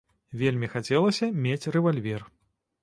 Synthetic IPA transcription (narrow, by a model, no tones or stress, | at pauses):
vʲelʲmʲixat͡sʲɛlˠɐsʲɐmʲet͡sʲrɛvalʲvʲɛr